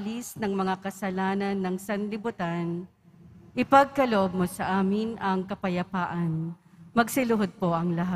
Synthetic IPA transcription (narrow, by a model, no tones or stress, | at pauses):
lisnɐŋmɐŋakɐsɐlaːnɐnːɐŋsɐnlɪbʊt̪an | ʔɪpɐɡ̚kɐloʔob̚mosɐʔaːmɪnʔɐŋkɐpɐjɐpaːʔɐnmɐɡsɪlʊɦod̪̚po̞ʔɐŋlɐɦa